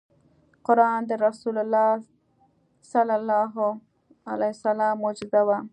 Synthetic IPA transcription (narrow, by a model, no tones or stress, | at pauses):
qʊɾɑnd̪əɾasulalːɑ | salalːɑɦo | alajsalɑmːod͡ʒɪd̪awa